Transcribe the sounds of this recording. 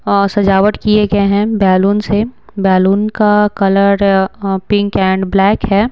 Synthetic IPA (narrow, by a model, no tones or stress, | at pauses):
ɔsɐd͡ʒaːʋəʈ̪kieɡɐeɦɛ̃bɛːluːnsebɛːluːnkakɐləɾpɪ̃ŋkɛ̃ːɳɖblɛːkɦɛː